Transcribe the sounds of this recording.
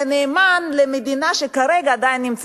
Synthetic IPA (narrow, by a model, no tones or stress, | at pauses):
neːmanlemed̪inaʃekaɾeɡaːd̪ajinːimt͡s